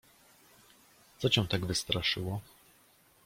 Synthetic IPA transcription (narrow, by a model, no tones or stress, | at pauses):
t̪sɔt͡ɕɛ̃w̃t̪aɡvɘst̪ɾaʂɘwɔ